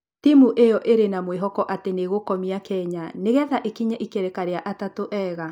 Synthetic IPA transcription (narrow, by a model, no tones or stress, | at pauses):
timuʔejɔʔeɾenamweɦɔkɔʔateneɣokɔmiakɛɲaneɣɛðaʔekiɲaʔikeɾɛkaɾeaʔatatoʔɛːɣa